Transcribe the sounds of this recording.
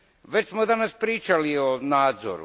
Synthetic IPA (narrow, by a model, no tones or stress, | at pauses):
ʋet͡ɕsmod̪anaspɾiːt͡ʃalionaːd̪zo̰ɾṵ